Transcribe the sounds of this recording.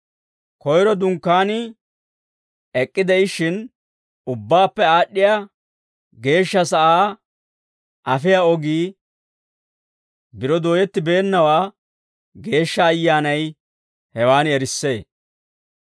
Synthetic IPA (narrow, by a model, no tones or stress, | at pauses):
kɔjɾɔd̪ʊŋkːaːnɪ | ɛkʼːɪd̪ɛɪʃɪn | ʊbːaːpːɛaːɗːɪja | ɡe̞ːʃːɐsɐʔaː | ʔɐfɪjaɔɡiː | bɪɾɔd̪oːjɛt̪ːɪbe̞ːnːɐwaː | ɡe̞ːʃːɐːjːaːnɐj | hɛwaːnɛɾɪsːe̞ː